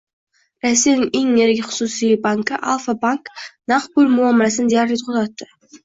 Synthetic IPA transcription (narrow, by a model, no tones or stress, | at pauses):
ɾæsːijanɪŋeŋeɾɡʲɪχʊ̥susijbaŋkəʔa̰lˠfabaŋknɑqbulʲmuamɾasənd̪ijaɾlʲit̪qʰut̪ɑt̪ːə̥